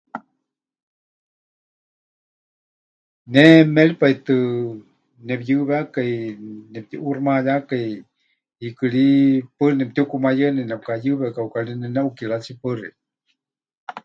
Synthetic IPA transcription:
nɛmɛɺipait̪ɨ | nɛpjɨβeakainɛp̚t̪iʔurmajakai | ikɨɺipɨrinɛp̚t̪iukumajənɛnɛp̚kajɨβɛakaukalinɛnɛʔukiɺat͡sipɨri

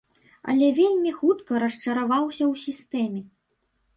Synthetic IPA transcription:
ɐ̰lʲɛvʲelʲmʲixut̪kɐɾɐʂt͡ʂɐɾavawsʲɐwsʲist̪ɛmʲɛ

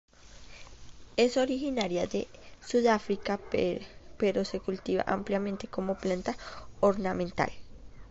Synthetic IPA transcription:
esoɾixinaɾjaðḛsuðafɾika | peɾosekult̪iβa̰ʔampljamẽnt̪ekomoplant̪aoɾnamẽnt̪a̰l

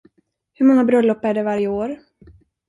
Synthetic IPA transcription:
hɵɾmɔŋːabɾœlːɔpːæɖɛvaɾjəoːɾ

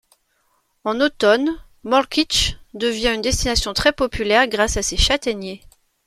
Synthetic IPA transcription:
ɑ̃not̪ɔn | mɔlkʲit͡ʃd̪əvjɛ̃ynd̪ɛst̪inasjɔ̃t̪χɛpɔpylɛʁɡʁasaseʃat̪ɛnje

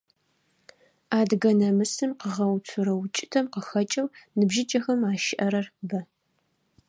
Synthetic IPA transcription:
aːdɣɐnɐmɨsɨmqəʁɐwtʷʰʊɾɐwt͡ʃʼɪ̥tʰɐmqəxɐt͡ʃʼɐwnɨbʒɪt͡ʃʼɐxɐmaːʃɪʔɐɾɐrbɐ

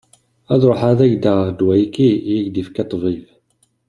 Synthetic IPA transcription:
æðɾˤoħaðæʝd̪əd̪wæjkːijæʝd̪ifkæt̪ˤːviv

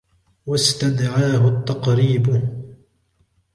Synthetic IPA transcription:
wast̪ad̪ʕaːɦʊt̪ːɑqɾiːb

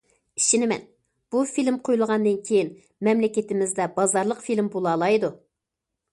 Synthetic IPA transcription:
iʃinɪmɛ̰n | b̥ufilmqʰojulˠəʁɑnd̪ɨnkʲʰejin | mɛmlɪkʲɪt̪ɪmɪzd̪ɛbɑzɑɾlˠəqfilmbolˠɑːlˠɑjd̪u

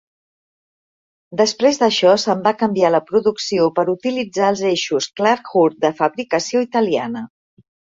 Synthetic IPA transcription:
d̪əspɾezðəʃɔsəmbakəmbialəpɾuðuksiopəɾut̪ilid͡zaəlˠzeʃusklaɾkxuɾt̪̚d̪əfəβɾikəsioit̪əlia̰nə

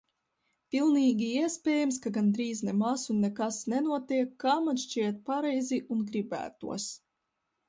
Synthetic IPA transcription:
pʲilˠniːɡʲiiɛspʲɛːjamskaɡand̪ɾiːznɛmasunːɛkasnɛnuɔt̪iɛkːaːmanʃt͡ʃiɛt̪̚paɾɛjzʲiʔunɡɾibæ̰ːt̪ṵɔs

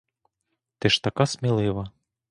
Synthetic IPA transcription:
t̪ɪʂt̪akasmʲilˠɪʋɐ

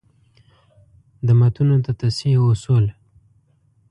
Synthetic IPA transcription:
d̪əmat̪unot̪at̪asiosul

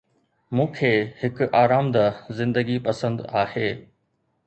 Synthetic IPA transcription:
mũːkʰeːhɪkaːɾaːmd̪azɪ̃nd̪əɡipɐsə̃nd̪aːheː

